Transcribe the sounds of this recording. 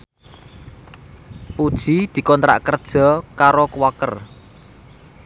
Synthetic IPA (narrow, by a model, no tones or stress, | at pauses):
pud̥ʒ̥i̤d̪̥i̤kɔnt̪ɾa̰ʔkərd̥ʒ̥ɔ̤kaɾokuwakə̰r